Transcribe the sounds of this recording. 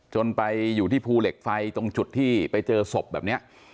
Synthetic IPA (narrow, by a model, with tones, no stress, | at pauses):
t͡ɕo˧npa˧jːuː˨˩t̪ʰiː˥˩pʰuː˧le˨˩k̚fa˧jt̪o˧ŋt͡ɕu˨˩t̪ʰːiː˥˩pa˧jt͡ɕɤː˧so˨˩p̚bɛː˨˩p̚ni˦˥ɐʔ